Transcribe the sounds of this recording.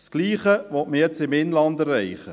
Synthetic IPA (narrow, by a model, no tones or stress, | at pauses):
skliːχəʋɔtməjɛt͡sɪmɪnlɑndærːɛɪχə